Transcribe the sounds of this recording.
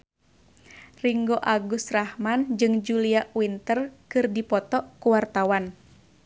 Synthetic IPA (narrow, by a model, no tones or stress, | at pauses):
riŋɡoʔaɡust̪rahmand͡ʒɨŋd͡ʒuliaʔwint̪ərkɨrdipɔt̪ɔkuwart̪awan